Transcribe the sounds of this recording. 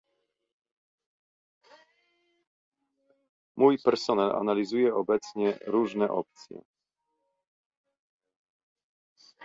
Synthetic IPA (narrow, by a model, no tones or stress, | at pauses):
mujpɛɾsɔnɛlʔa̰nalʲizujɛɔbɛt̪sɲɛɾuʐnɛʔɔp̚t̪sʲjɛ̰